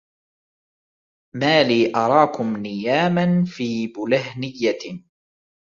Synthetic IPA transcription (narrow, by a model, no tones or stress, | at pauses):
maːliːʔɑɾˤɑːkʊmnɪjaːmanfiːbʊlahnɪjːa